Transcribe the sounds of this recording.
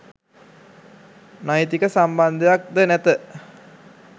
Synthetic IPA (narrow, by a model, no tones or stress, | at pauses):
najt̪ikəsamband̪əjak̚d̪ənæt̪ə